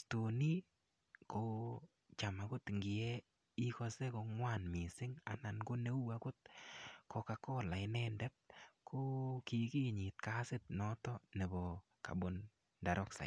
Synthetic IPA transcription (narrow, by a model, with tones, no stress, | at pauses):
to˨ni˦ | ko˨ | t͡ʃa˨ma˨ɡʊ˦t̪ŋɡɪ˨ɛ˦ | i˦kɔ˧se˦ko˧ŋwa˦˨nmɪ˨sɪ˦ŋa̰˨na˨nɡo˦ne˦u˦a˨ɡʊ˦t̪̚kɔ˨ka˨kɔ˦la˨ɪ˦nɛ˦ndɛ˦t̚ko˦ki˨ki˦ɲɪ˨t̪ka˦sɪ˦t̪̚nɔ˦tɔ˦nɛ˨bɔ˨ | ka̰˨bo˨n | da˨ɾɔ˦ksa̰˨